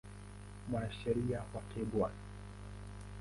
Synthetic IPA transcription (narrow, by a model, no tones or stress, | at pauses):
mwanaʃɛɾiawakʰɛbwa